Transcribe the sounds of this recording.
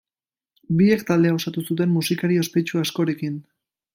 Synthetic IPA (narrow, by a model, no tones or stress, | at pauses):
biekt̪ald̪e̞ao̞sat̪usut̪̬e̞mːusikaɾie̞spe̞t͡ʃuasko̞ɾekin